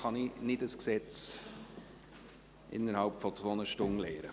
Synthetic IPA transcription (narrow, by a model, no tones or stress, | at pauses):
χɑninɪdəsksɛt͡s | ʔɪ̰nːəɾhɑlpfɔt͡sʋoːənəʃtʊnleːɾə